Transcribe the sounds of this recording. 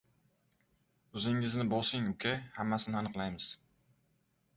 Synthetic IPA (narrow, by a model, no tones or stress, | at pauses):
ɵzɪŋɪznɪbɒlˠsɪŋʊkʰʲahamːasɪnɪanɨqlˠajmɪz̥